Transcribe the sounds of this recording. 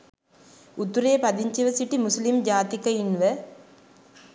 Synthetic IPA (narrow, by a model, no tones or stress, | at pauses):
ut̪uɾeːpɐd̪iɲt͡ʃiʋɐsiʈimuslimd͡ʒaːt̪ikɐinʋə